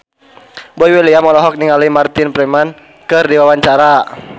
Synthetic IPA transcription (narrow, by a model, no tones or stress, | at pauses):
bɔiwɛliamɔlɔɦɔk̚niŋalimart̪ɪnpɾɛman | kɨrdiwawaɲt͡ʃaɾa